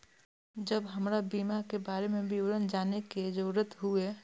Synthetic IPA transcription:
d͡ʒəbɦəmɾabiːmakebaːɾemẽbʱiwɾənd͡ʒaːneked͡ʒəɾət̪ɦue

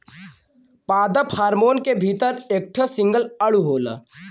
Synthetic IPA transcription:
paːd̪əpʰaːɾmoːnkebʱiːt̪əɾek̚ʈʰəsɪ̃ŋɡəlɐɽuɦoːlə̰

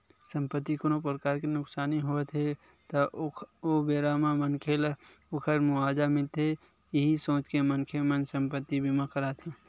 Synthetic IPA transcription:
sə̃mpət̪ːikonop̬ɾəkaːɾkinʊksaːniɦot̪ʰɦe | t̪əobeːɾamamənkʰeːlokʰəɾmʊaːd͡ʒamɪlt̪e | ɪɦisõːt͡ʃkemənkʰemənsə̃mpət̪ːibʱimakəɾat̪ʰẽ

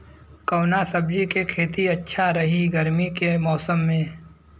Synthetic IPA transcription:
kɐːnasəbd͡ʒikekʰeːt̪iɐtːʃʰaɾɐɦiɡəɾmikemɔːsəmːẽː

